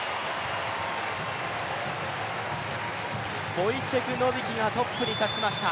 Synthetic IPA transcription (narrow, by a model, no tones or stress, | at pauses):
boit͡ɕeɡʲɯnobʲiɡʲiɡat̪op͈ːɯɲit̪at͡ɕimaɕi̥t̪a